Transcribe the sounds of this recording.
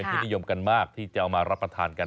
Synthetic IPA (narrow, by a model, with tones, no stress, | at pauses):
e˧pʰi˦˥t̚ni˧jo˧mka˧nmaː˥˩k̚t̪ʰiː˥˩t͡ɕa˨˩ʔa˧wmaː˧ɾa˦˥pɾa˧t̪ʰaː˧nka˧n